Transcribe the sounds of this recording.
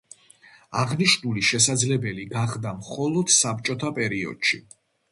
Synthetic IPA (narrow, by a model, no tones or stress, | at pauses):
aʁniʃnuliʃɛsad̪zlɛbɛliɡaχd̪amχɔlˠɔd̪̥sap̚t͡ʃʼɔt̪ʰapʼɛɾiɔ̰d̪̥ʃi